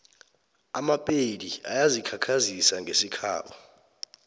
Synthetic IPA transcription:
amapʼedia̰jazikʰakʰazisaŋɡʱesikʰa̰ːɓa

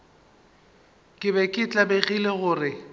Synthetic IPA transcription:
kʼɪbɛkʼɪt͡ɬʼabeɣileɣʊːrɪ

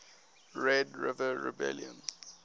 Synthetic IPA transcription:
ɹɛdɹɪvəɹḭbɛ̰ljə̃n

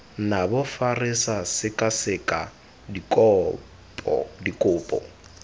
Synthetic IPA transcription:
nabʊfarɪsasɪkʼasɪkʼa | dikʼɔ | pʼɔ̰dikʼʊːpʼɔ̰

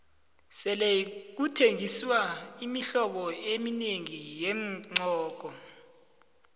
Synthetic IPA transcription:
sɛlek̬utʰeŋiswaimiɬɔɓɔemineŋijɛŋ͡ǀʱɔːk̬ɔ

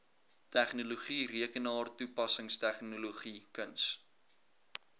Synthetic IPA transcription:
tæχnuluχiriəkənɑːrtupɐsəŋstæχnuluχikəns

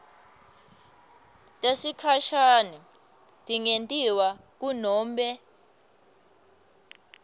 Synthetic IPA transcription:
tʼesikʰaʃanɛ | tʼiŋentʼiwa | k̬unɔːmɓɛ

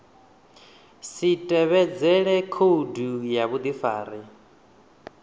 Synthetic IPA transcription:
sitʼɛβɛd͡zɛɺɛkʰodujaβud̪ifaːɾi

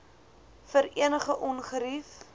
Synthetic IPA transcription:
fəɾiənəχəʔɔnχəɾif

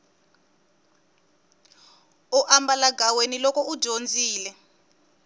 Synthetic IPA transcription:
uʔambalaɡʱawenilɔkɔud̥ʒ̥ʱond͡zʱiːlɛ

